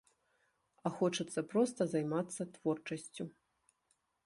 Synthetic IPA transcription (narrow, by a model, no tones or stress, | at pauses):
ɐxɔt͡ʂɐt̪sːɐpɾɔst̪ɐzajmat̪sːɐt̪vɔrt͡ʂɐsʲt͡sʲu